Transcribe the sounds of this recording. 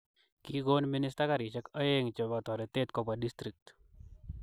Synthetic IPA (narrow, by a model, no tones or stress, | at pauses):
kiɡonminɪstakaɾɪt͡ʃɛkəjeŋt͡ʃebat̪ɔɾɛt̪et̪kɔpadist̪ɾik̚t̪